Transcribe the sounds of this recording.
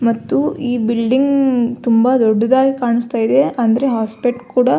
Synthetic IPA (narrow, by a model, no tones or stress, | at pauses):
mɐt̪ːuiːbilɖiŋɡt̪umbɐd̪ɔɖːɐd̪aːɡikaːɳist̪aːjid̪e̞ʔɐnd̪ɐɾe̞ɦaːspeʈkuːɽɐ